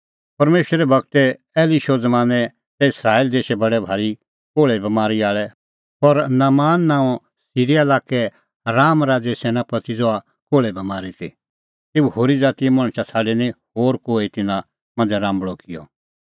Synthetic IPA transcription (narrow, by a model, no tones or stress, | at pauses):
pɐɾmeːʃəɾɛbɐkt̪ɛ | ɛːliʃɔd͡zmaːnɛ | t̪ɛɪsɾaːild̪eːʃɛbɐɽɛbʱaːɾi | koːɭɛbɐmaːɾiaːɭɛ | pɔɾnamaːnːãːɔ̃ | siːɾialaːkɛ | ɾaːmɾaːd͡zɛsɛːnãpɐt̪id͡zɔa | koːɭɛbɐmaːɾit̪ʰḭ | t̪eːuhoːɾid͡zaːt̪iɛmɐ̃ɽ̃ʃasʰaːɖɛnĩhoːɾkoːit̪ɪnã | mɐ̃nd͡zɛɾãːmbɭɔkɪjɔ̰